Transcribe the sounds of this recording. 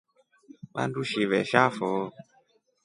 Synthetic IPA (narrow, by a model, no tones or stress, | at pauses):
ɓa̰nduʃiβɛʃafɔː